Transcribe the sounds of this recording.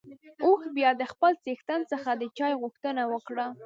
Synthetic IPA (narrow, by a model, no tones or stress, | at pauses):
oxbjɑd̪əxpəlt͡sext̪ant͡səxad̪ət͡ʃɑjɣʊxt̪ənawəkɽa